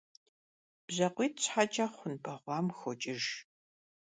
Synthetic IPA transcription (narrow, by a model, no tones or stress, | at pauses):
b̥zɐqʷiːtɕħat͡ʃʼɐχʷʊnbɐʁʷɑːmxʷɔt͡ʃʼɪʒ